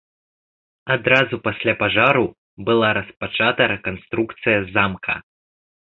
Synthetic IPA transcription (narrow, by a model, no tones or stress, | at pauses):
ad̪ɾazupasʲlʲapaʐaɾu | bɨlˠaɾɐspat͡ʂat̪ɐɾɛkanst̪ɾukt̪sɨjɐzamkʰɐ̰